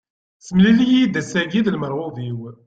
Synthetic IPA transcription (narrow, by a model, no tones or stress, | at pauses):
səmlilijid̪æsæɡiðlməɾˤʁʊviw